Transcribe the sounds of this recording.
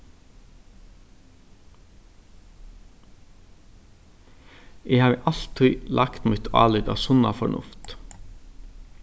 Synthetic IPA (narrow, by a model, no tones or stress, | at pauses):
ʔeːhɑːʋḛːʔɑlt̪ʰœʏlʔɑkt̪muːt̪ʰɑ̰ːlʏd̪ɑ̰ːsʊnɑ̰fɔɳʊ̰ft̪